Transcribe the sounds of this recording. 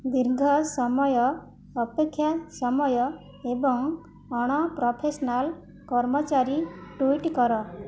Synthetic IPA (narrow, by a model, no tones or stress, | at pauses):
d̪iɾɡʱɔsɔmɔjɔː | pekʰːjasɔmɔjɔ | ebɔŋ | ɔɽ̃ɔpɾɔpʰesɔnal | kɔɾmɔt͡ʃaɾiʈuiʈkɔɾɔ